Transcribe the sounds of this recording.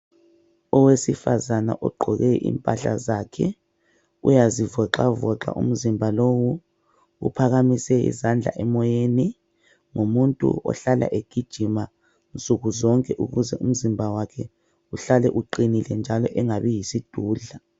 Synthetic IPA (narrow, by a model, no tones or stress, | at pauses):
ɔwesifazana̰ʔɔɡ͡ǃʱɔɣɛʔḭmpʼaɬa̰zakʰɛ | ṵjazivɔǃavɔǃa̰ʔṵm̩zimbʱalowu | ṵpʰaɣamisɛḭzand͡ɮʱa̰ʔɛmɔjeni | ŋumuntʼṵɔ̰ɬalʔa̰ʔeɡ̥ʱid̥ʒ̥ʱima | nt͡sʼuɣuzɔŋkʼɛʔuɣuzɛum̩zimbʱawakʰɛ | uɬalɛʔuǃinilɛnd͡ʒʱalɔʔɛŋaβijisid̥ʱuːɮa